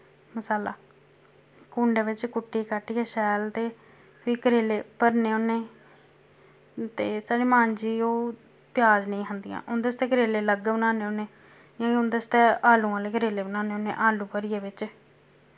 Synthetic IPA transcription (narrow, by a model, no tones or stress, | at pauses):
məsaːla̰ː | kuːɳɖeːʋɪt͡ʃkʊʈːiːkaʈːiːɛːʃɛːlt̪eː | pʰiːkəɾeːleːpəɾneːoːnːeː | t̪eːsaːɽiːmãːɲd͡ʒiːoː | pɪjaːd͡ʒnəĩːɦənd̪ijã̰ːʔʊnd̪est̪eːkəɾeːleːləɡbənaːneːoːneː | jãːʊnd̪est̪eːaːlũːaːleːkəɾeːleːbənaːneːoːnːḛːʔaːlũːpəɾijeːʋɪt͡ʃ